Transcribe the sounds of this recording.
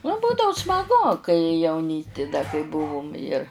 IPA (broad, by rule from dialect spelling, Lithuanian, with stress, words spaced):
nʊ ˈbuːdɐʊ smɐˈɡʊ kɐɪ jɛʊˈnʲiːsʲtʲɪ dɐ kɐɪ ˈbʊʋʊm ɪr